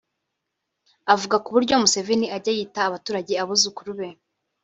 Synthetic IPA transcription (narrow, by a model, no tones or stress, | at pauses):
avuɡakuβuɾɟo̞muse̞ve̞niaɾɟajiːtaːβatuːɾaɟe̞aβuzukuɾuβe̞